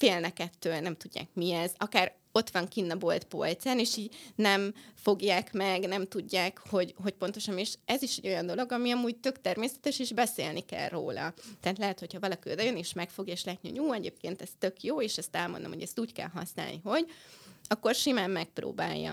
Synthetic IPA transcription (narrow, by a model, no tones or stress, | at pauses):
feːlnɛkɛt̪ːøːlnɛmt̪uɟːa̰ːkmiɛzɒkaːɾ | o̞t̪ʋɒŋkinːɒbo̞lt̪po̞̰lt̪saːneːʃiːɟnɛmfo̞ɡjaːkmɛɡnɛmt̪uɟːaːkho̞ɟɦo̞c̚po̞nt̪o̞ʃɒneːʃɛziʃɛɟːo̞jɒnd̪o̞lo̞ɡɒmiɒmuːɟ̚t̪ø̞kt̪ɛrmeːsɛ̥t̪ɛʃiʒbɛsḛːlnikɛ̰lro̰ːlɒ̰t̪ɛɦːt̪lɛɦɛt̪ho̞chɒvɒlɒkiod̪ɛjøneːʃmɛkfo̞ɡjɒeʃlɛt̪nio̰uːɛɟḛːp̚kḛːnt̪ɛst̪ø̞kjoːeːʃɛst̪ɛlmo̞̰nd̪omhoɟɛst̪uːckɛ̰lɦɒ̰sna̰ːlnḭɦo̞ɟɒkːo̞rʃimaːmːɛk̚pro̰ːba̰ːjːɒ̰